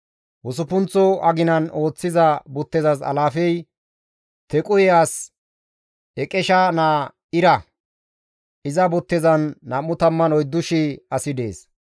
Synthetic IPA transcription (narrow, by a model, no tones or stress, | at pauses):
wʊs̬ʊpʊnt͡sːɔɐɡɪnɐno̞ːt͡sːɪzɐbʊt̪ːɛzɐsɐ̰laːfɛj | t̪ɛkʼʊjɛaːs | ɛkʼɛʃɐnaː | ɪɾɐ | ɪzɐbʊt̪ːɛzɐnːɐmːʊt̪ɐmːɐnɔjd̪ːʊʃɪɐsɪd̪ḛːs